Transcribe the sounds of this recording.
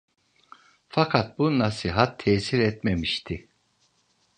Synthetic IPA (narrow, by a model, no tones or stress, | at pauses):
fakʰat̪̚bunnasiɦat̪ʰːɛːsiɾɛt̪memiʃt̪ʰi